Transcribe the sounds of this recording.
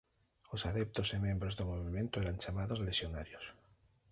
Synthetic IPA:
osaðep̚t̪osimembɾozðomoβimẽnt̪oeɾant͡ʃamaðozleʃjonaɾjos

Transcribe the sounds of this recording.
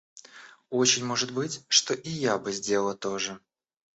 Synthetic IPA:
o̞t͡ɕɪnʲmo̞ʐɨt̪bɨtʲʂt̪o̞ʔɪjabɨzʲdʲelət̪o̞ʐɨ

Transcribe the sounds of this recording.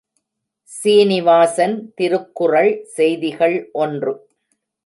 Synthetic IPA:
siːnɪʋaːsɐnt̪ɪɾɯkːʊrɐɭsɛjðɪɣɐɭʔɔndrɯ

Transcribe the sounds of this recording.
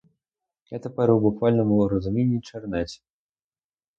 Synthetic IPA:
ɣɛt̪ɐpɐɾɨwbukvalʲnɐmuɾəzumʲenʲːit͡ʂɐrnat͡sʲ

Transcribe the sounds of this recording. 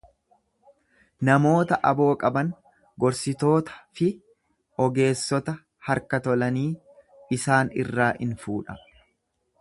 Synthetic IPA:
nɐmo̞ːt̪ɐʔɐbo̞ːkʼɐbɐn | ɡɔɾsɪt̪o̞ːt̪ɐ̥fɪ | ɔɡe̞ːsːɔt̪ɐ | hɐɾkɐt̪ɔlɐniː | ɪsaːnɪ̰rːaːʔɪ̰nfuːᶑɐ

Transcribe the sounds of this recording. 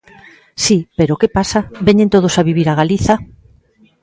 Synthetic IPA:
sipeɾokepasabeɲẽnt̪oð̞osaβiβiɾaɣaliθa

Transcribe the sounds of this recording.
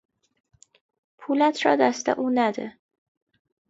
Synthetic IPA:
pʰuːlæt̪ʰɾɒ̰ːd̪æst̪ḛʔuːnæd̪ḛ

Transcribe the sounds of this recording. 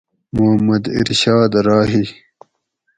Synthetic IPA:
muhɐmːɐd̪ḭɾɕaːd̪ɾaːɦi

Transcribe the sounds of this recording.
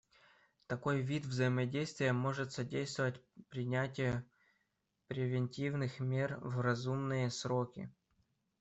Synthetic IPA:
t̪ɐko̞jvʲit̪vzəjɪmɐdʲejst̪vʲɪjəmo̞ʐɨt̪sɐdʲejst̪vəvətʲpɾʲɪnʲætʲɪjə | pɾʲɪvʲɪnʲtʲivnɨxmʲe̞rvrɐzumnɨjəsɾo̞kʲɪ̰

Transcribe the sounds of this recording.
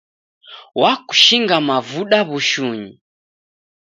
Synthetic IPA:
waku̥ʃiŋɡamavuɗaβuʃuɲi

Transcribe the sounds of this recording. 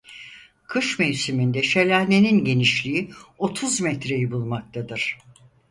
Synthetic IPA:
kʰɯʃmejsimind̪ɛʃelʲænʲeninɟe̞niʃlʲiio̞t̪ʰuzmɛt̪ɾe̞jibulˠmak̚t̪ʰad̪ɯɾ̥

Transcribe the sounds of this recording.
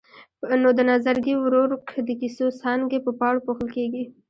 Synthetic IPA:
nod̪ənɑzaɾɡiwɾoɾkd̪əkisosɑŋɡepəpɑɽpoxəlkeɡi

